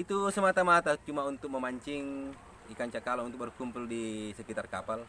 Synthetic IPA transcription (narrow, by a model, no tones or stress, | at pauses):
it̪usəmat̪amat̪at͡ʃumaunt̪ʊk̚məmaɲt͡ʃɪŋ | ikaɲt͡ʃakalaunt̪ʊk̚bərkumpʊldisəkit̪arkapal